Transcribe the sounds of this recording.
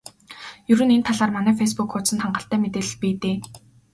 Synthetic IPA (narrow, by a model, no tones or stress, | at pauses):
jɵɾɵ̆nent̪ʰːaɮaːrmanæːfes̬pukxʊsə̆nt̪ʰaɴɢə̆ɬt̪æːmet̪eːɮ̆ɮpiːt̪eː